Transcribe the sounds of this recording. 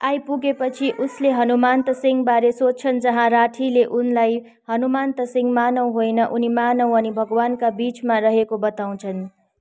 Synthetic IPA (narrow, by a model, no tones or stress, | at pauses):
ajpuɡepʌt͡sʰiʔusleɦʌnumant̪ʌsiŋɡbaɾesot͡sʰʌnd͡zʌɦãɾaʈʰileʔunlaj | hʌnumant̪ʌsiŋɡmanʌw̃ɦojnʌʔunimanʌw̃ʌnibʱʌɡwankabit͡smaɾʌɦekobʌt̪aw̃t͡sʰʌn